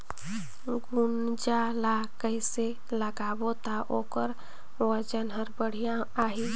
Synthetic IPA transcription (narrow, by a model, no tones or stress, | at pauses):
ɡun | d͡ʒalakəɪse | ləɡaːbot̪aʔoːkəɾ | wəd͡ʒənɦəɾbəɽ̤ijaːɦi